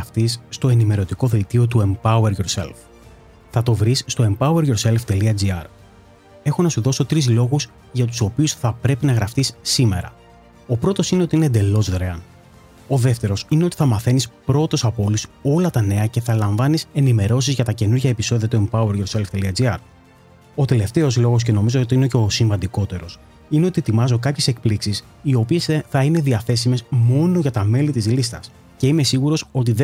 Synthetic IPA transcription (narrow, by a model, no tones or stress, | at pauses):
ft̪isːt̪o̞e̞nime̞ɾo̞t̪iko̞ðilt̪io̞t̪̬ue̞mpɐueɾʝo̞ɾse̞̰lf | θɐt̪o̞vɾisːt̪o̞e̞mpɐue̞ɾʝo̞ɾse̞lft̪e̞liɐd͡ziɐɾ | e̞xo̞nɐsuðo̞so̞t̪ɾizlo̞ɣuz | ʝɐt̪̬u̥so̞piusθɐpɾe̞pinɐɣɾɐft̪isːime̞̰ɾɐ̰ | o̞pɾo̞t̪o̞sine̞ot̪iinend̪e̞lo̞zðɾeɐn | o̞ðe̞ft̪e̞ɾo̞sine̞o̞t̪i̥θɐmɐθe̞nispɾo̞t̪o̞sɐpo̞luso̞lɐt̪ɐne̞ɐce̞θɐlɐɱvɐnise̞nime̞ɾo̞sizʝɐt̪ɐce̞nuɾʝɐepiso̞ðiɐt̪uempɐweɾɣeselft̪eliɐd͡ziɐɾ | o̞t̪e̞le̞ft̪e̞o̞zlo̞ɣo̞sce̞no̞mizo̞ot̪iine̞ceo̞siɱvɐnd̪iko̞t̪e̞ɾo̞s | ine̞o̞t̪it̪imɐzo̞kɐpçe̞se̞k̚pliksis | io̞pie̞sθɐine̞ðiɐθe̞sime̞zmo̞no̞ʝɐt̪ɐme̞lit̪izlist̪ɐs | ce̞ime̞siɣuɾo̞so̞t̪̬ið